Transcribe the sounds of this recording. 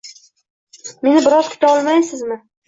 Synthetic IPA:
me̞nɪbɪɾɒzkʲʰʊ̥t̪aɒlˠmajsɪzmɪ

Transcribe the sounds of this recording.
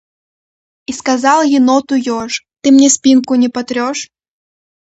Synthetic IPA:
iskazalˠɣʲinɔt̪ujɔʂt̪ɨmnʲɛsʲpʲinkʊnʲɛpat̪ɾʲɔʂ

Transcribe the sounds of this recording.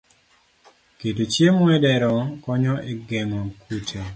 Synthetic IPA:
ketot͡ʃjemɔɛdɛɾɔkɔɲɔeɡɛŋɔkutʰe

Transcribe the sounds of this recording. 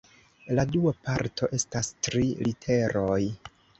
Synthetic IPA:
laduapaɾtʰo̞̰ʔe̞stastɾilitʰe̞ɾo̞j

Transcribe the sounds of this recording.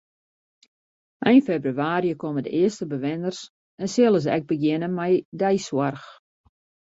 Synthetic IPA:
ʔɛjnfebryaːɾijəkomədəʔɪəstəbəʋɪnərs | ɛnsɪlˠəs̬ɛ̰ɡ̚bəɡjɪnəmɛjdɛjswarx

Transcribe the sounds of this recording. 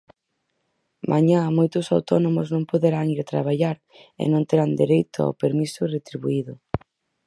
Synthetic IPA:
mʔaɲamojt̪ʊsawt̪ɔnomʊznõŋpoðeɾaŋiɾt̪ɾaβaʎaɾ | ɪ̰nõnt̪eɾand̪eɾejt̪ʊa̰wpeɾmisʊret̪ɾiβuiðʊ

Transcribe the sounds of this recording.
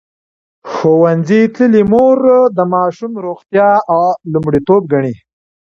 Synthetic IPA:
xowanzit̪ləlimoɾd̪əmɑʃumɾoxt̪jɑawlumɽit̪ob̚ɡaɳi

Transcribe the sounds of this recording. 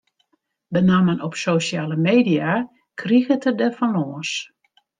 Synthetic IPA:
bənamənɔpsoʃjaːləmeːdia | kʰriɣətədəfɔnloːəs

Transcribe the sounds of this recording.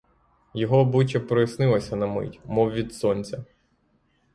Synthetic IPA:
jɔɦɔbut͡ʃʲɐpɾɔjisnɪlˠɐsʲɐnɐmɪ̰tʲmɔwʋʲid̪sɔnʲt͡sʲɐ

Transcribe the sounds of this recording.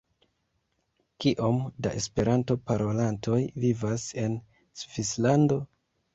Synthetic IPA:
kiʔomdaʔe̞spe̞ɾanto̞paɾo̞lantʰo̞jvivase̞n | sv̥islando̞

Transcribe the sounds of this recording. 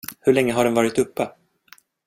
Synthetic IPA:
hɵɭɛŋːəɦaɖɛnvɑːɾɪt̪ɵpːə

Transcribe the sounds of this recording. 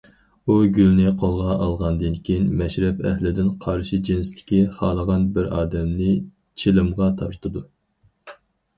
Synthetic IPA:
uɡʲylnɪqʰolˠʁɑʔɑlˠʁɑnd̪ɨnkʲʰijnmɛʃɾɛpɛhlɪd̪ɪnqʰɑɾʃid͡ʒinst̪ʰɪ̥kʲiχɑːlˠəʁɑnbɪɾɑːd̪ɛmnɪ | t͡ʃʰilɨmʁɑt̪ʰɑɾt̪ʰɨd̪u

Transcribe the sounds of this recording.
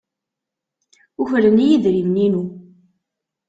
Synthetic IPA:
uçlənijiðɾimninu

